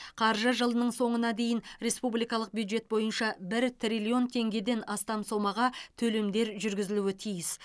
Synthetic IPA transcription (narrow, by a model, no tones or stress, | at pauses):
qʰɑɾʒəʒəlˠənəɴso̞ɴənɑd̪e̞jɪnɾe̞spublˠijkɑlˠəq̚bjud̪ʒe̞t̪̚bo̞jənʃɑbɪɾt̪ʰrʲilʲio̞nt̪ʰe̞ŋɡʲe̞d̪e̞nɑst̪ɑmso̞mɑʁɑt̪ʰɵle̞md̪e̞ɾʒʏɾɡʲɪzɪluɪt̪ʰijɪs